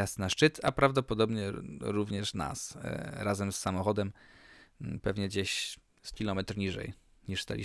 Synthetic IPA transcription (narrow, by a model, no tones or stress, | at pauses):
ast̪naʂt͡ʂɘt̪apɾavd̪ɔpɔd̪ɔbɲɛɾuvɲɛʂna̰sɾazɛmsːamɔxɔd̪ɛm | pɛvɲɛd͡ʑeɕ | skʲilɔmɛt̪ɾɲiʐɛ̰jɲiʂst̪a̰lʲḭ